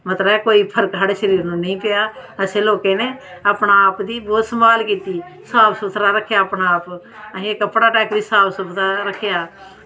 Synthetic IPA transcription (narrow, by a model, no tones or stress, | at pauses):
mət̪ləɛːkoːiːpʰəɾkɦaɽeːʃəɾiːɾnũːnəĩːpɪjaːəsẽːloːkeːneː | aːpɳaaːpd̪iːbɔːt̪səmbaːlkiːt̪iː | saːbsʊt̪ʰɾaːɾəkʰːjaːəpɳaaːp | əɦĩekəpɽaːʈɛːkd̪iːsaːbsʊt̪ʰaːɾəkʰɪjaː